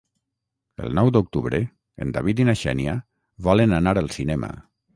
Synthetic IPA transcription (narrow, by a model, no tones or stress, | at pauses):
ə̰lˠnɔwd̪uk̚t̪uβɾə | ə̰nd̪aβit̪inaʃɛ̰nia | βɔlənanaɾəlˠsinɛmə̰